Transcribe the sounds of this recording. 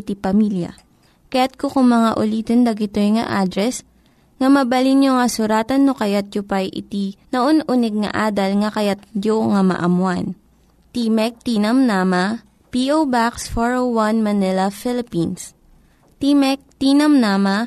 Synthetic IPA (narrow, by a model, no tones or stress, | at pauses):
t̪ipɐmiljɐ̰ | kɐjat̪̚kokʊŋmɐŋaʔʊliːt̪ond̪ɐɡɪt̪ojŋɐ̰ʔaːd̪ɾɛs | ŋɐmɐbɐlinjoŋɐsʊɾaːt̪ɐnːokɐjat̪̚d͡ʒopɐjʔɪ̰t̪inɐʔonʔʊnɛɡ̚ŋɐ̰ʔaːd̪ɐlŋɐkɐjat̪̚d͡ʒoŋɐmɐ̰ʔɐmwan | t̪imɛk̚t̪inɐmnaːmɐ | piʔowbaksfoɹowwanmɐnɪlɐfɪlɪpins | t̪imɛk̚t̪iːnɐmnaːmɐ